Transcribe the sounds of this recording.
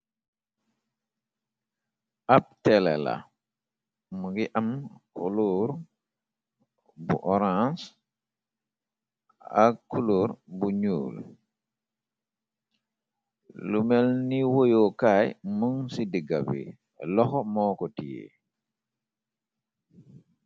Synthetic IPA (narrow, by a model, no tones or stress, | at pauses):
ʔap̚tɛlɛ̰la̰ | muɡiʔamkṵluɾ | bṵʔɔɾãs | ak̚kuluːɾbuɲṵːl | lumɛlniwojɔkajmuŋsidiɡabḭ | lɔxɔmɔkɔtijḛ